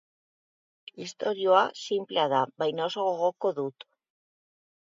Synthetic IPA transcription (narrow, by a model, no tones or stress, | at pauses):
ist̪o̞ɾio̞asimpleaðaβajnaosoɣoɣoko̞ðut̪